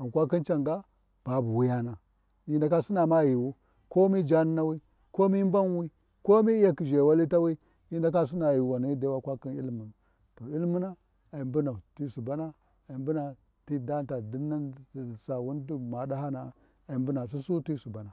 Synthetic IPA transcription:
a˨n˨kʷa˦ki˦nt͡ʃa˨ŋɡa˦ | b̥a˨bu˨wi˦ja˦na˨ | i˦nda˨ka˦si˦na˨ma˦˨ji˨wu˦ | ko˦mi˦d͡ʒa˦n˦na˦wi˦ | ko˦mi˦m˦ba˦n˦wi˦ | ko˦mi˦ja˦ki˨ʒe˨wa˦li˦ta˦wi˦ | i˦nda˦k̬a˦s̬i˦na˨ji˨wa˨ni˨˦de˦wa˦kʷa˦ki˦nḭ˦lmu˨n˨ | to˨i˦lmu˦na˦ | a˨i˨mbu˦na˨ti˦su˨ba˦na˦ | a˨i˨mbu˦na˨ | ti˦da˦n˦ta˨di˦nːa˦n˨sa˨wu˦ndu˦ma˨da˦ha˦na˨ | a˨i˨mbu˦na˨s̬u˦su˦ti˦su˨ba˨na˨

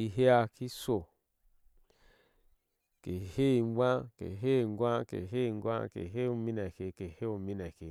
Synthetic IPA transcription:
i˧ɦe˦a˧ki˦so˨ | ke˨he˦i˨ŋ˦ɡʷã˦kḛ˨ɦe˦˨ŋ˦ɡʷã˦kḛ˨ɦe˦˨ŋ˦ɡʷa̰˦kḛ˨ɦe˦u˧˨mi˦nɛ˨ke˨ke˨he˦u˨mi˦nɛ˨ke˨

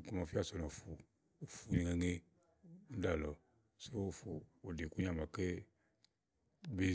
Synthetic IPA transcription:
ku˦mã˨fi˦a˦˨sɔ˨nɔ˨fu˨ | fu˨ɲi˨ŋe˨ŋe˦ | n̩˦da˨lɔ˨ | so˦˨fu˨o˨de˨ku˦ɲ˦a˨m˨a˨ke˦ | be˦

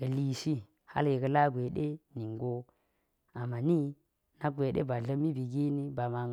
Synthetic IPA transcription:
kə˨li˨ʃi˦ | ha̰˦lji˨kə˨la˦ɡʷe˨ɗe˦ni˨ŋɡo˦ | a˨ma˨ni˦ | na˦ɡʷe˨ɗḛ˦ba˨ɮə˦mi˦bi˨ɡi˦ni˦ba˨ma˨

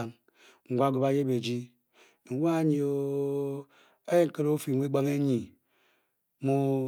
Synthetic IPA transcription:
a˨ŋ | ŋ̩˨ɡʷa˦ɡu˨ba˨je˦be˨d͡ʒi˦˨ | ŋ̩˨wʷa˦˨ɲi˨o˨ | a˦je˦ŋ̩˨ke˦ɾo˦fi˨mʷ˦e˦ɡ͡ba˦me˦ɲi˨ | mu˦

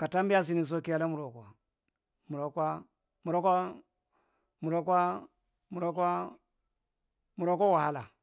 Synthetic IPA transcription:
ka˨ta˦mbi˦a˦s̬i˨˦ni˨s̬o˦ki˦ja˦la˦mu˨ɾo˨kʷa˨ | mu˨ɾo˨ka˦ | mu˨ɾo˦ko˦ | mu˨ɾo˦ka˦ | mu˨ɾo˦k̬a˦ | mu˨ɾo˦ko˦wa˨ha˦la˨

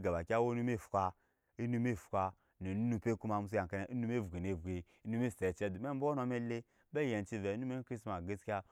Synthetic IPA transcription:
ɡa˨ba˨kʲa˦wo˦nu˦me˦˨fu̥˨ka˦ | i˦nu˦me˦˨fu̥˨ka˦ | ne˨nu˦nu˦pe˦ku˦ma˨mu˦su˦a˨ŋ˨ka˦ne˦˨ʔi˦nu˦m˦e˦˨vu˨ɡe˨ne˨vɡe˨ | i˦nu˦me˦˨ste˨t͡ʃe˦du˨m˦e˦m̩˦bo˦o˦no˧me˦le˦ | e˦˨je˨n˨t͡ʃi˦ve˨˦nu˦me˦kɾi˦sma˨ɡe˦skʲa˦

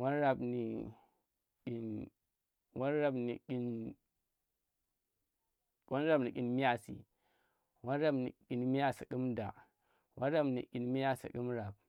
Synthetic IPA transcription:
wa˦nɾa˨bni˨ | ki˨n | wa˦nɾa˦bni˨ki˦n | wʔo˦nɾa˦bni˨kʲi˨nmi˦ja˦sḭ˨ | wa˦nɾa˦bnḭ˨ki˨nmi˦ja˦si˨ki˦mda̰˨ | wa˦nɾa˦bnḭ˨kʲi˨nmi˦ja˦sḭ˨ki˦mɾa˨b̚

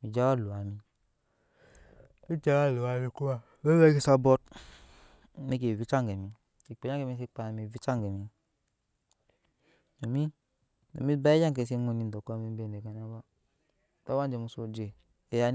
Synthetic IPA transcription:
mi˨d͡ʒa˦wa˦˨lo˨a˨mi˦ | i˦d͡ʒa˦wa˦˨lo˨a˨˦mi˦ku˦a˦˨ | we˦we˦ki˦sa˦bɔ˦t̚ | ne˦k̬e˨vi˦t͡ʃa˦ŋɡe˨mi˨ | i˨k͡pe˨ja˦ke˨mi˦s̬e˦k͡pa˨mi˨vi˦t͡ʃa˦ŋɡe˨mi˦ | no˨mi˦ | no̰˨mi˦ba˦e˦ja˦ŋk̬e˨se˦ŋo˨ni˨ndɔ˨ka˦mi˦m˦be˨ne˨ka˨na˦ba˦˨ | ta˦wa˦n˦d͡ʒe˨mu˨so˦d͡ʒe˨ | e˦ja˦

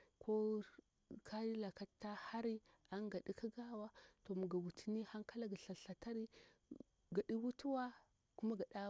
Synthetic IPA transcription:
kʰo˦ | kʰa˦di˦la˨ka˦tːa˦ha˦ɾi˦ | a˦ŋɡa˨ɗi˦ka˦ɡa˦wa˦to˨mu˨ɡa˨wu˨tʰi˨˦ni˦ha˦ŋka˦la˦ɡa˨ɬa˨ɬa˨ta˦ɾi˦ | ɡa˨ɗi˦wu˦tu˦wa˦ | ku˦ma˦ɡa˨ɗa˦

